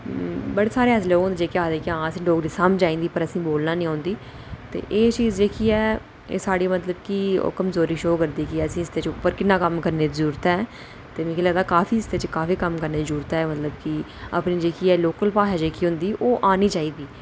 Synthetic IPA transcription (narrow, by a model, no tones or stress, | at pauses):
bəɽeːsaːɾeːəsleoõnd̪d͡ʒeːkɪaːd̪eːkɪãːəsĩːɖoːɡd̪iːsamd͡ʒaːĩːnd̪iːpəɾəsĩːboːlnaːnĩõːnd̪iː | t̪ḛːʔeːt͡ʃiːzd͡ʒeːkʰiːɛː | ḛːsaːɽiːmət̪ləbkio̰ːkəmzoːɾiːʃoːkəɾd̪iːkiəsĩːɪst̪eːt͡ʃpəɾkɪnːãːkəmkəɾneːzɾuːɾt̪aɛː | t̪eːmĩːkʰːlɛːd̪aːkaːfʰiːɪst̪eːt͡ʃkaːfiːkəmkəɾneːzɾuːɾt̪aɛːmət̪ləbkɪ | ə̰pniːd͡ʒeːkʰiːɛːloːkəlpaːʃaːd͡ʒeːkʰiːɦʊ̃nd̪iːʔoːʔaːniːt͡ʃaːiːd̪iː